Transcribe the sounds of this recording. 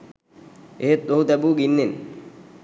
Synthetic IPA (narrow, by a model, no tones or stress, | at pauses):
eɦet̪oɦut̪ɛbuɡinːen